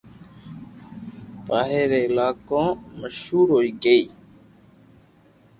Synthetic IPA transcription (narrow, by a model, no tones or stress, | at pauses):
paːɦeːɾeːɪlaːkõːməʃhuːɾɦoːiːɡəiː